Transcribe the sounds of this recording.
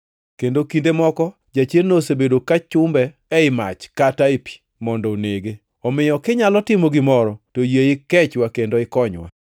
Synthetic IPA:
kendokindemɔkɔ | d͡ʒat͡ʃjennosebedokat͡ʃʊmbɛː | ɪma̰t͡ʃkataepi̥ | mɔndɔoneɡe | ɔmɪjɔkɪɲalɔtɪmoɡɪmɔɾɔtojeɪkɛt͡ʃwakendoɪkɔɲwa̰

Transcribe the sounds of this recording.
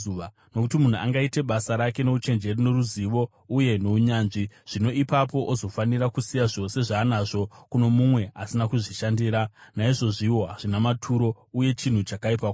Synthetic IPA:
ua | no̞kutimun̤ua̰ŋɡaite̞ɓasaɾake̞no̞ut͡ʃe̞nd͡ʒe̞rino̞ruziʋo̞ | uje̞no̞uɲaːnʐiʐ̥ino̞ipapo̞ʔozo̞faniɾakusijaʐo̞se̞ʐaːnaʐo̞kuno̞mumwe̞asinakuʐiʃandiːɾanaiʐo̞ʐiwo̞ɦaʐinamatʰuɾo̞ | uje̞t͡ʃin̤ut͡ʃakaipako

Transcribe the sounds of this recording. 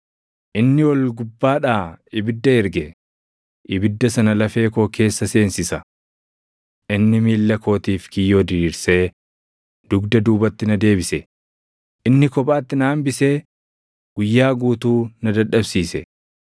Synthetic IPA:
ʔɪnːɪwɐlɡʊbːaːᶑaːɪbɪd̪ːɐɪɾɡɛ | ʔɪbɪd̪ːɐsɐnɐlɐfe̞ːko̞ːke̞ːsːɐse̞ːnsɪsɐ | ʔɪnːɪmiːlːɐko̞ːt̪iːfkɪjːo̞ːd̪ɪɾiːɾse̞ː | d̪̥ʊɡd̪ɐd̪uːbɐt̪ːɪnɐd̪e̞ːbɪsɛ | ʔɪnːɪkɔpʼaːt̪ːɪnaːmbɪse̞ː | ɡ̥ʊjːaːɡuːt̪uːnɐd̪ɐᶑɐbsiːsɛ

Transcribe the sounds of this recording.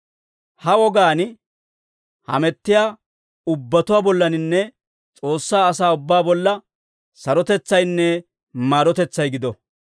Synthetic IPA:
hɐwɔɡaːn | hɐ̰mɛt̪ːɪjaː | ʊbːɐt̪ʊwaːbɔlːɐnɪnːɛ | t͡sʼo̞ːsːaːɐs̬aːʊbːaːbɔlːɐ | sɐɾɔt̪ɛt͡sːɐjnːɛ | maːɾɔt̪ɛt͡sːɐjɡɪd̪ɔ

